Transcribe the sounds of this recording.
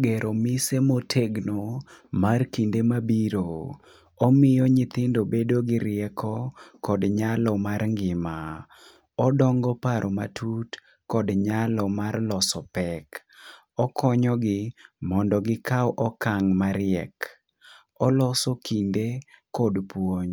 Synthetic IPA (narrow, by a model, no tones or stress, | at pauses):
ɡeɾʔomɪsemotʰeɡnomarkindemabiɾo | omɪjɔɲɪt̪ɪndobedoɡɪɾɪɛkʰɔkɔdɲalɔmarŋɡɪma | ɔdɔŋɡɔpaɾʔoma̰tʰut | kɔdɲalɔmarlɔsɔpɛk | ɔkʰɔɲɔɡɪmɔndɔɡɪkawʔɔkaŋmaɾɪɛk | ɔlɔsɔkʰindekɔdpwoɲ